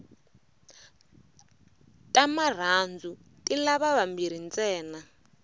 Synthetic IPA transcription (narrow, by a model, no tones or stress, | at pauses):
tʼamar̤and͡zu | tʼilaβaβambiɾ̤int͡sɛːna